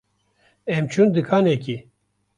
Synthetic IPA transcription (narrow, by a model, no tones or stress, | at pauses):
ɛmt͡ʃʰund̪ɨkʰaːnɛki